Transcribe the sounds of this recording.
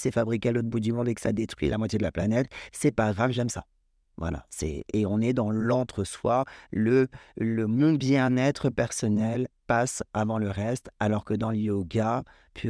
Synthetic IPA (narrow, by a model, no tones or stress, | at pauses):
sɛfabʁikʲealot̪χbud̪ymɔ̃d̪ekə̥sa̰d̪et̪χɥḭlamwat̪ʲjed̪əlaplanɛt̪sɛpavʁɛ̃kəʒɛmsa | vwa̰la̰sɛ̰eɔ̃nɛd̪ɑ̃lɑ̃t̪χəswalələmɔ̃bjɛ̃nɛt̪χəpɛʁsɔnɛlpasavɑ̃ləʁɛst̪alɔʁkəd̪ɑ̃ləjoɡa | pʰ